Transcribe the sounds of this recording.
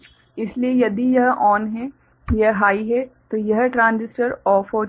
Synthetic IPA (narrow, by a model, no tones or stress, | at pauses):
ɪsliejɐd̪ijɐɦɔːnɦɛ | jɐɦɦaːiɦɛt̪ojɐɦʈɾãːnd͡ʒɪsʈəɾɔːfɔː